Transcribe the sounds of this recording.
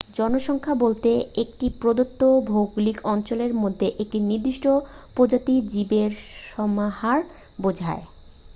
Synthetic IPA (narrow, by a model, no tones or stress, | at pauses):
d͡ʑɔnoʃɔŋkʰabolt̪eek̚ʈipɾod̪ot̪ːobʱowɡulikɔnt͡ɕoleɾmod̪ʱːeʔek̚ʈiniɾd̪ːiʃʈo | pod͡ʑat̪id͡ʑibeɾʃɔmahaɾ | bod͡ʑʱa̰e